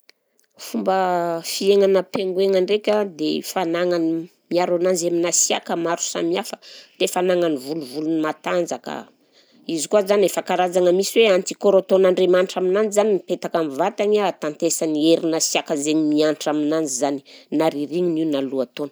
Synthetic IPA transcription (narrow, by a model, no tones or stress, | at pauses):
fumbəfieŋanəpeŋɡueŋaɳrekʲad̪efanaŋanimiaɾanand͡ʒeminasia̰kəmaɾu̥sa̰miafə̥d̪̥efanaŋanivuluvulunimat̪and͡zakə̰ | izikuazanefakaɾazaŋəmisiweant̪i̥koɾoat̪onaɳɖ͡ʐemaɳʈ͡ʂaminand͡ʒizaninipet̪akamivat̪aɲat̪ant̪esanieɾinasiakəzeɲimiaɳʈ͡ʂaminand͡zizani̥naɾiɾiŋiniunaluat̪onə̥